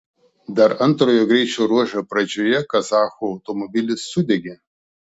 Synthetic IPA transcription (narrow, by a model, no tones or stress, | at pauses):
d̪ɐɾɐnˑt̪ɾoːjoːɡɾʲɛɪt͡ʃʲoːɾuɔʒʲopɾɐd͡ʒʲoːjɛkɐzɑːxoːɐʊt̪ɔmɔbʲɪlʲɪsːʊd̪ʲɛɡʲe